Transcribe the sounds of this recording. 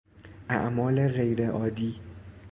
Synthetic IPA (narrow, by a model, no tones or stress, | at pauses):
ʔæ̰ʔmɒːleɣejɾeʔɒːd̪iː